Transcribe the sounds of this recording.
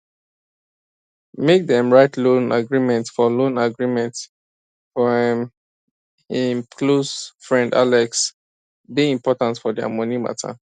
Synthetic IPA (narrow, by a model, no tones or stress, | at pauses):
mek̚dɛ̃mɹaɪtlõnaɡɹimɛ̃ntfɔlõnaɡɹimɛ̃nts | fɔɛ̃m | ĩmkʰlosfɹɛ̃nda̰lɛks | biĩmpɔtãntfɔdɛa̰mɔ̃nima̰tʰa̰